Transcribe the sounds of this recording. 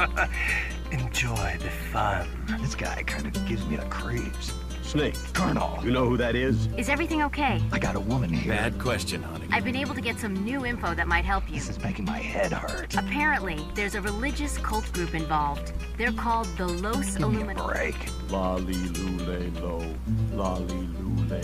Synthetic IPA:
ɨ̃nd͡ʒɔɪðɨfʌ̃n | ðɪsɡ̥a̰ɪkʰãɪ̃ndʌvɡɪvzmiɨ̰kʰɹ̥iv̥z̥ | sneɪkkʰɑ˞n̰l̩ˠjɨnoʊhuðɨɾɪz̥ɨzɛvɹiθɪ̃ŋoʊkʰeɪaɪɡɑɾəwʊmɨ̃nimæd̚kʰw̥ɛst͡ʃɨ̃nhʌ̰nḭ̃ʔaɪvbɨ̃neɪbl̩ˠtʰɨɡɛtsʌ̃mnʉɪ̃ɱfoʊðɨt̚maɪt̚ɦɛlˠpjʉsɨzbækɨ̃n̩maɪhɛd̚hɑɹtəpʰɛɹɨ̃nʔliðə˞zɨɹɨlɪd͡ʒɨskʰʌlˠt̚ɡ̥ɹʉpɨ̃ɱvɑlˠvd | ðə˞kʰɔlˠd̪̚ðəloʊsəlũmɨɹḛɪk | lɑliluleɪloʊ | lɑlˠilule

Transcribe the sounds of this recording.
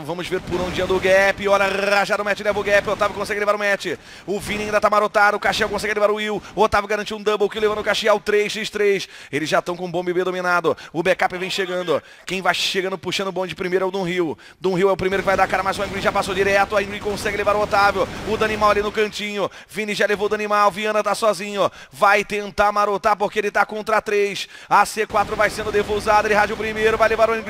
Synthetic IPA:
vɐ̃mʊzveɾpʊɾõd͡ʒiɐ̃d̪ʊɡɛpɪɔlɐʁaʒad̪ʊmɛt͡ʃɪlɛvʊɡɛpɪʊot̪avɪwkõs̬ɛɡɪlevaɾʊmɛt͡ʃɪ | ʊvĩnɪaĩd̪ɐt̪amaɾot̪ad̪ʊʊkaʃiɛwkõsɛɡɪlevaɾʊhiwʊot̪aveɪwɡaɾɐ̃nt͡ʃiũd̪ɐ̃bowkiwlevɐ̃ʊkaʃiawt̪ɾejssejʃt̪ɾejselɪzʒat̪ɐ̃w̃kõũbõmbɪbed̪õminad̪ʊʊbekapɪvẽj̃ʃeɡɐ̃nd̪ʊ | kẽj̃vajʃeɡɐ̃nd̪ʊpuʃɐ̃nʊbõd͡ʒɪpɾimejɾɛʊd̪ũɦiw | d̪ũɦiwɛʊpɾimejɾʊkɪvajd̪akaɾɐmajzʊẽɡwĩʒapasod͡ʒiɾɛt̪ʊaẽɡɾĩkõsɛɡɪlevaɾʊot̪avewʊd̪ʊanimawalinʊkɐ̃nt͡ʃĩɲʊ | vĩniʒalevowd̪animawviɐ̃nɐt̪asɔzĩɲʊ | vajt̪ẽnt̪aɾmaɾot̪aɾpoɾkeelɪt̪akõnt̪ɾat̪ɾejsɐsekwat̪ɾʊvajsẽnd̪ʊd̪evowzad̪ʊɐelɪɦaʒʊpɾimejɾʊvajlevaɾʊɐ̃nĩ

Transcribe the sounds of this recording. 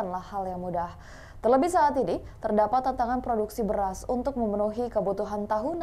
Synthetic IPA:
anlahːaljaŋmudah | t̪ərləbɪhsaːt̪init̪ərdapat̪ːant̪aŋanpɾoduksibəɾasunt̪ʊk̚məmənuɦikəbut̪uɦant̪aɦun

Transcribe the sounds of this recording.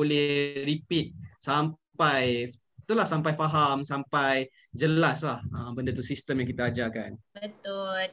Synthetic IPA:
olɛhɾipit̪̚sampaj | t̪ulahsampajfaɦamsampaj | d͡ʒəlaslahəmbəndat̪usist̪əmjaŋkit̪aːd͡ʒakanbət̪ʊl

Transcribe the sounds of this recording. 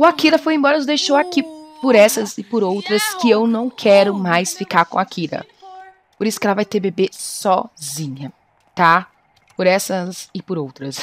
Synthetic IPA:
ʊakiɾɐfojẽbɔɾɐnʊzd̪ejʃowakipʊɾɛsɐzɪpʊɾowt̪ɾɐskɪewnɐ̃w̃kʰɛɾʊmajsfikaɾkõ̰akʰiɾɐ̰ | poɾisʊ̥kɛlavajt̪eɾbebesɔzĩɲɐ | t̪a | pʊɾɛsɐzɪpʊɾowt̪ɾɐs

